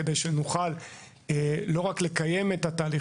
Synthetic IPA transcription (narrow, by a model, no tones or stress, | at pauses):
ed̪e̞jʃenuχal | elo̞ʁakle̞kaje̞met̪ataːli